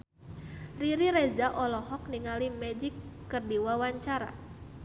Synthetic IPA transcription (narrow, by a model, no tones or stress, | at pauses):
riɾiɾɛzaʔɔlɔhɔk̚niŋalimɛd͡ʒikː | ɨrdiwawaɲt͡ʃaɾa̰